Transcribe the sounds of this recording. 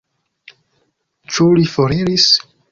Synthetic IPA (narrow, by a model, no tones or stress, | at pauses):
t͡ʃulifoɾiɾis